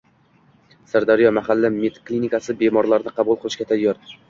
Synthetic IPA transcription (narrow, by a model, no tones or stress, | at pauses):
saɾd̪aɾijɒmahalːɪmet̪klinikasɪbe̞mɒɾlaɾnɪqʰɑbʊlˠqʰɨlˠɪʃkʲat̪ʰajːɒɾ